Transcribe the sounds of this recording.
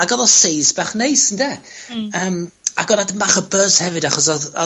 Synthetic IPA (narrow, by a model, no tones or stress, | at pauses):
aɡɔðɔsejsbaχnejsəndɛ | əːm | a̰ɡɔnadəmaχəbəshɛvɨdaχɔs̬ɔðɔ